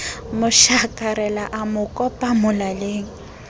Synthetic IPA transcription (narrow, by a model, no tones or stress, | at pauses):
mʊʃakʼaɾɛlaʔamʊkʼɔpʼamʊlaleːŋ̩